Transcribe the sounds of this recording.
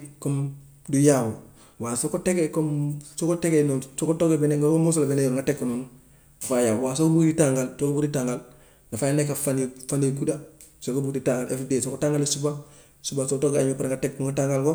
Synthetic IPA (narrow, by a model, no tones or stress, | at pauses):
kom | dujawo | waːsokotekekomsokotekenonsokotoɡebeneoomusolabenejoŋɡatekːunun | ɡafajawaːsokobukditaŋɡalsokobuitaŋɡal | ɡafajanekafanifanekuda | sokobuditaŋɡalefdesokotaŋɡalisuba | subasotoɡeaɲmopaɾŋɡatekːuŋɡataŋɡalko